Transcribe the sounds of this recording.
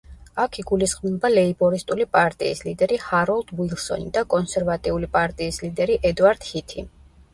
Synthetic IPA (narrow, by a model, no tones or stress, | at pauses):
akʰiɡulisχʼmilɔbalɛibɔɾist̪ʼulipʼaɾt̪ʼḭːslid̪ɛɾihaɾɔlˠd̪wilˠsɔ̰nid̪akʼɔnsɛɾvat̪ʼiulipʼaɾt̪ʼiːslid̪ɛɾiʔɛd̪uaɾd̪̥hit̪ʰi